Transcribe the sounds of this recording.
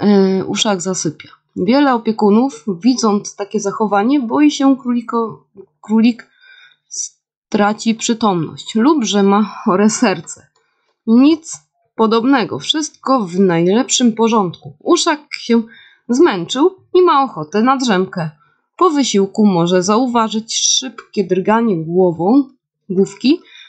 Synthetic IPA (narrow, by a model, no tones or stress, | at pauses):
ṵʂaɡzasɘpʲja | vʲjɛlɛɔpʲjɛkunufvʲid̪zɔnt̪st̪akʲɛzaxɔvaɲɛbɔjiɕɛkʲikɔ | kɾulʲik | s | t̪ɾat͡ɕipʂɘt̪ɔmnɔ̰ɕt͡ɕlubʐɛmaxɔɾɛsɛɾt̪sɛ | ɲit̪s | pɔd̪ɔbnɛɡɔ̰fʂɘst̪̚kɔvnajlɛpʂɘmpɔʐɔnt̪kuuʂakɕɛ | zmɛnt͡ʂɘw | imaɔxɔt̪ɛnad̪ʐɛmkɛ | pɔvɘɕiwkumɔʐɛzauvaʐɘt͡ɕʂɘpkʲɛd̪ɾɡaɲɛɡwɔvɔ̃w̃ | ɡufkʲi